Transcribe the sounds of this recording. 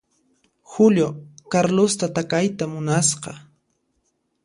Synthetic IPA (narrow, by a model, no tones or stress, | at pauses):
xʊʎjokaɾlost̪at̪akajt̪amʊnasqɑ